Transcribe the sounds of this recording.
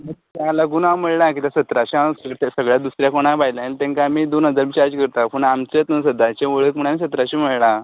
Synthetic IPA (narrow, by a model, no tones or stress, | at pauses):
mət̪alaɡuːnawm̤əɭlak̬it̪asət̪ɾaɕiasəɭt̪səɡɭjad̪usɾjakoɽ̃abʱajlalt̪ẽŋkamiːd̪onɦəd͡zaɾʋit͡ɕaɾd͡ʑkəɾt̪apəɳamt͡set̪əsəd̪at͡ɕeʋəɭək̚məɳamiːsət̪ɾaɕim̤əɭla